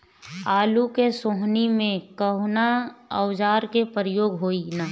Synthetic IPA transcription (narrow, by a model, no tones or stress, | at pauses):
aːlukesoːɦnimẽkəɦnaəʊd͡ʒaːɾkepəɾəjoːɡɦoːinaː